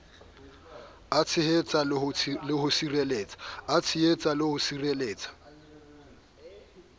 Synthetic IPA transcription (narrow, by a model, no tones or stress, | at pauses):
at͡sʰɪɦet͡sʼalɪɦʊsireleːt͡sʼḁat͡sʰɪet͡sʼalɪhʊsireleːt͡sʼḁ